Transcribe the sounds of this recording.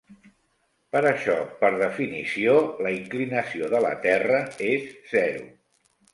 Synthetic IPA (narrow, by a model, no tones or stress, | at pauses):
pəɾəʃɔpəɾðəfinisioləiŋklinəsioðələ̰t̪ɛrəesz̥ɛɾṵ